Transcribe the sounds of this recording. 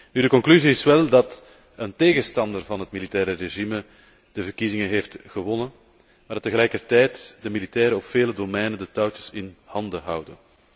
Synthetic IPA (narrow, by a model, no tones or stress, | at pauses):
nydəkɔŋklyziɪsʋɛlˠdɑt | ənteːɣəstɑndərvɑnɦətmilitɛːɾəreʒimə | d̥əvərkizɪŋəɦeːftɣəʋɔnən | maːrdɑt̪ːəɣəlɛːjkərtɛjtdəmilitɛːɾəɔpfeːlədomɛjnəndətɔwtəsɪnhɑndəɦɑwdən